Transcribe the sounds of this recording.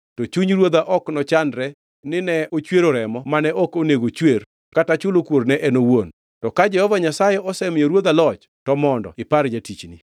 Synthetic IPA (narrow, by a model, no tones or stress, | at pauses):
tɔt͡ʃuɲɾwod̪aʔɔknɔt͡ʃandɾɛ | nɪnɛot͡ʃweɾoɾɛmɔmanɛʔɔkoneɡot͡ʃwer | katat͡ʃʊlokwoɾnɛʔɛnowon | tɔkad͡ʒɛhɔvaɲasajɛʔɔsɛmɪjoɾwod̪alɔt͡ʃ | tɔmɔndɔ̰ɪpaɾd͡ʒatit͡ʃni